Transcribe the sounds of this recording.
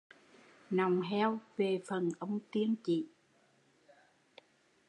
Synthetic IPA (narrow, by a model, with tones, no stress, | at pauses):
na˨˩wŋ͡mɦɛ˧wve˨˩fə˨˩nʔə˧wŋ͡mt̪i˧əŋt͡ɕḭ˧˨